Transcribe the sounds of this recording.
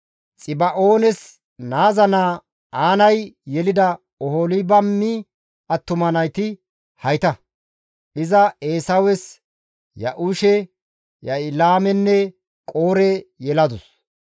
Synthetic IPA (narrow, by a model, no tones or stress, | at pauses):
t͡sʼɪbɐʔo̞ːnɛs | naːzɐnaː | aːnɐjjɛlɪd̪ɐ | ɔholɪbɐmːɪ | ʔɐt̪ːʊmɐnɐjt̪ɪ | hɐjt̪ɐ | ʔɪzɐeːsɐwɛs | jɐ̰ʔʊʃɛ | jɐɪlaːmɛnːɛ | kʼoːɾɛjɛlɐd̪ʊs